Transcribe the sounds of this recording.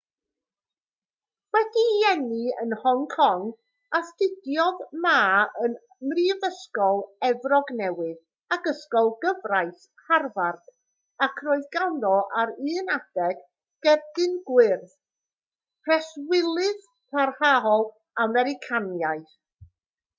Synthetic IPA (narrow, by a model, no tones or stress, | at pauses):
wɛdijɛnɨə̰nhɔŋkʰɔŋ | astɪdjɔðmaːən | mriːvəskɔlˠɛvrɔɡnɛwɨð | aɡəskɔlˠɡəvrajs | harvard̥ | akʰroɨðɡandɔʔaɾɨːnad̥ɛɡ̥ | ɡ̥ɛrdɨnɡwɪrθ | pʰɛswɪlˠɨð | pʰarhaɦɔlˠ | amɛɾɪkʰanjajθ